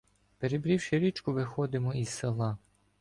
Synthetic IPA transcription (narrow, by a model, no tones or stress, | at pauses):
peɾebɾʲiwʃɪɾʲit͡ʃkʊʋɪxɔd̪ɪmɔiz̥selˠɑ